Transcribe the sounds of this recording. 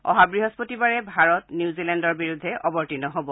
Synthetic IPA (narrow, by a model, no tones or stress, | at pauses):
ɔ̰ɦabɹiɦɔspotibaɹɛbʱaɹɔtniuzilɛndɔɹbiɹudʱːɛʔɔbɔɹtinɔɦobɔ